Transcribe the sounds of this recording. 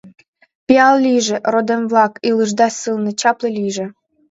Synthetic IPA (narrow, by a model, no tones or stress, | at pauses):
pʲiɑllʲiʒĕrod̪emvlɑkilɨʒd̪ɑsɨlnɤ̆t͡ɕɑplelʲiʒɘ̆